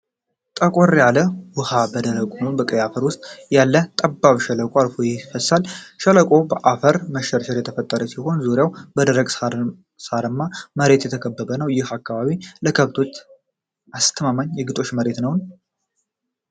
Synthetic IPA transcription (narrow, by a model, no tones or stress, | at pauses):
t̪ʼəkʼoɾjaləwʊhabəd̪əɾəkʼunəwnbəkʼəjafəɾwʊst̪ʼjalːət̪ʼəbːaβʃələkʼoalfojɛfəsalʃələkʼo̞bəʔafəɾməʃəɾʃəɾjɛt̪ʰəfət̪ʼːəɾəsiho̞nzuɾjawbəd̪əɾəɡʼ | saɾɨmːaməɾe̞t̪jɛt̪ʰəkʰəbːəβənəwjɪhakʰːaβaβiləkʰəβt̪ʰo̞t͡ʃː | ast̪ʰəmaməɲjɛɡɨt̪ʼo̞ʃməɾe̞t̪nəwn